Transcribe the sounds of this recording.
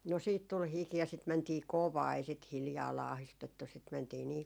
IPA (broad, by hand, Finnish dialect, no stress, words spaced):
no siːt tul hiki jɑ sit mæntiː koʋɑː ei sit hiljɑː lɑːhistetːu sit mæntiː niː